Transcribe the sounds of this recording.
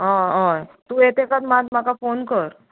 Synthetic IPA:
ɦãɦãt̪ũːet̪ekat̪mad̪makafonkəɾ

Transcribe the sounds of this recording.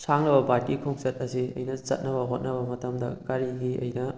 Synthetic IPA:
saŋlɐbɐbaɾkikʰoŋsɐtɐsiɐ̰jnɐsɐ̰t̚nɐβɐɦot̚nɐbɐmɐtɐmdɐ̰ɡaɾiɡiʔɐ̰jnɐ

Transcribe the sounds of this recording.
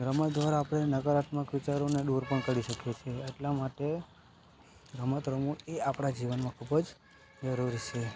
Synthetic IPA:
ɡɾəmət̪d̪ʋaɾaːpɽ̃enəɡəɾat̪məkʋit͡ʃaɾoneɗuɾpəɳkəɽiʃəkjet͡ʃʰeːʈlamaʈe | ɡɾəmət̪ɾəmueapɽ̃ad͡ʒiʋənmãkʰubəd͡ʒ | d͡ʒəɾuɾit͡ʃʰe

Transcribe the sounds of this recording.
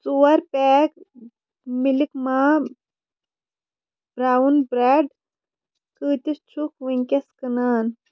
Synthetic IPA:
t͡suwɐɾpɛːk | milikmaː | bɾaːwunbɾaɖ | kəːt̪ist͡ʃʰukʋiŋʲkʲɐskɨnaːn

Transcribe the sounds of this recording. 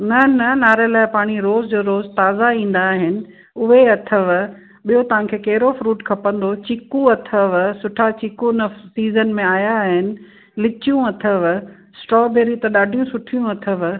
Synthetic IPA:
nɐnɐnaːɾelaːɪpaːɽ̃iɾoːzd͡ʑoːɾoːzt̪aːzaĩːn̆d̪aːɦɪnɪ̆ | ʊɦeɐt̪ʰəʋ | ɓijot̪ɐʋ̤ãkʰeːkɐɦɪɾofɾuːʈkʰɐpə̃nd̪ot͡ɕɪkũɐt̪ʰəʋsʊʈʰat͡ɕikunɐsiːzənmẽaːjaɦɪnɪ̆ | lɪt͡ɕijũɐt̪ʰəʋ | sʈɾɔːbeːɾit̪ɐɗaːɖʱijũsʊʈʰijũɐt̪ʰəʋ

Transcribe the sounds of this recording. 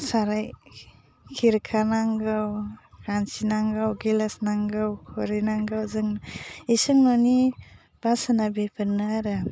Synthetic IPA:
saɾaj | kʰiɾkʰanaŋɡɯwkant͡ʃinaŋɡawɡilasnaŋɡawkʰɔɾenaŋɡawzɯŋisɯŋnɔni | b̥asanabepʰɯnːɯaɾɯ

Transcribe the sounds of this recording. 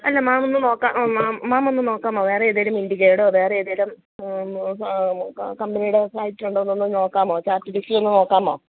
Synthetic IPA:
ɐlːɐmaːmonːɨno̞ːkːaːmaːaːmonːɨno̞ːkːaːmoːʋe̞ːreeðeɾɐmindikeːɽoʋe̞ːreeːðelɐm | kɐmbɐnijuɽeflɐjtːiluɳɖnːonːɨno̞ːkːaːmoːt͡ɕaːrtːifiksilonːɨno̞ːkːaːmo̞ː

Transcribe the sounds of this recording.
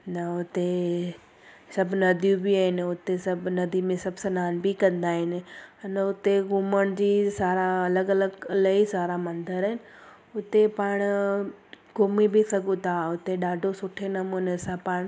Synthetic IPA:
nɐʊt̪e | sɐbʱnɐd̪ʱjũbɪaːɦɪnɪʊt̪esɐbʱnɐd̪ʱimẽsɐbʱsɐnaːnbikɐ̃nd̪aːɦɪnɪ̆ɐnʊt̪eɡuːməɽ̃d͡ʑiːsaːɾaɐləɡɐləɡlɐisaːɾamɐ̃nd̪əɾɦɪnɪ̆ | ʊt̪epaːɽ̃ | ɡoːmibisɐɡʱũt̪aʊt̪eɗaːɖʱosʊʈʰenɐmũnesãpaːɽ̃

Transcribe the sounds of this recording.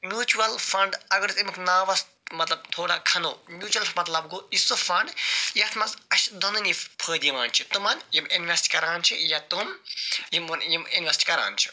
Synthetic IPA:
mjuːt͡ʃuʋɐlfɐɳɖɐɡɐɾt̪imikʰnaːʋɐst̪̚mɐt̪lɐb̚t̪ʰoːɽakʰɐnoːmʲjuːt͡ʃuɐlmɐt̪lɐbɡoːisofɐɳɖjɐt̪ʰmɐzɐʃd̪onɨnipʰəːd̪iʋaːnt͡ʃʰit̪umɐnjiminʋesʈʲkɐɾaːnt͡ʃʰijat̪umjimnjiminʋesʈʲkɐɾa̰ːnt͡ʃʰi̥

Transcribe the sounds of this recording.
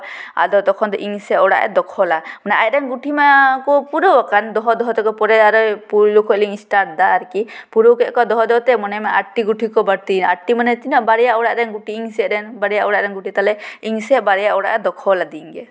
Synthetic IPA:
a̰d̪ɔt̪ɔkʰɔnd̪ɔʔiŋsɛʔɔɽa̰ʔɛ̰d̪ɔkʰɔlamɔnɛʔa̰j̚ɾɛŋɡuʈʰimakɔpuɾowakand̪ɔɦɔd̪ɔɦɔt̪ɛkɔpɔɾɛaɾɔpulukʰɔliŋisʈaɾ̚d̪aːɾkipuɾowkɛʔkɔd̪ɔɦɔd̪ɔɦɔt̪ɛmɔnɛmaaʈiɡuʈʰikɔbaɾt̪inaʈimanɛt̪inɔʔbaɾɛjaʔɔɽaʔɾɛŋɡuʈʰiːŋsɛʔɾɛnbaɾijaʔɔɽaʔɾɛŋɡuʈʰit̪alɛiŋsɛʔbaɾɛjaʔɔwɽa̰ʔɛd̪ɔkʰɔlad̪iŋɡɛ

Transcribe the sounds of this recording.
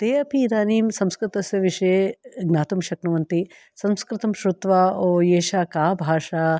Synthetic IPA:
t̪eːɐpʰiːd̪aːniːmsɐ̃mskɾɪt̪ɐsjɐʋiʃɐjeɡnaːt̪umʃɐknɐʋɐnt̪i | sɐ̃mskɾɪt̪ɐmʃɾut̪ʋaːoːjeːʃaːkaːbʱaːʂaː

